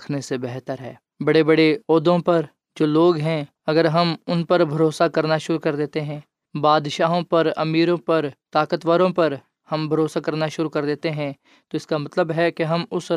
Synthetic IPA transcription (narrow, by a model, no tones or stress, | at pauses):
kʰnesebɛɦt̪əɾɦɛː | bɐɽebɐɽeɔːd̪õpɐɾ | d͡ʒoːloːɡɦɛ̃ | ɐɡəɾɦɐmʊnpɐɾbʱɐɾoːsakɐɾnaʃʊɾukɐɾd̪eːt̪eɦɛ̃ː | baːd̪ʃaːɦõpɐɾɐ̰miːɾõpɐɾt̪aːkət̪waːɾõpɐɾ | hɐmbʱɐɾoːsakɐɾnaʃʊɾukɐɾd̪eːt̪eɦɛ̃ | t̪oɪskamɐt̪ləbɦɛkeɦɐmʊs